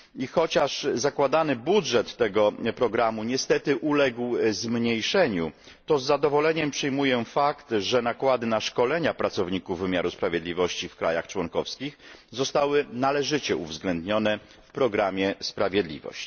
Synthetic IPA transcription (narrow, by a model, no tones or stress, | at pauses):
ixɔt͡ɕaʂzakwad̪anɘbudʐɛt̪ːɛɡɔpɾɔɡɾamuɲɛst̪ɛt̪ɘʔulɛɡwzmɲejʂɛɲu | t̪ɔzːad̪ɔvɔlɛɲɛmpʂɛjmujɛfakt̪ʐɛnakwad̪ɘnaʂkɔlɛɲapɾat̪sɔvɲikuvːɘmʲjaɾuspɾavʲjɛd̪lʲivɔɕt͡ɕifkɾa̰jaxt͡ʂwɔŋkɔfskʲixzɔst̪awɘnalɛʐɘt͡ɕɛṵvzɡlɛnd̪ɲɔnɛ | fpɾɔɡɾamʲjɛspɾavʲjɛd̪lʲḭvɔ̰ɕt͡ɕ